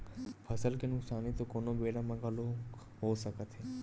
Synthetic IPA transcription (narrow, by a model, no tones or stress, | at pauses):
pʰəsəlkenʊksaːnit̪okoːnobeːɽãmãɡʱəlo | ɦoːsəkət̪ɦeː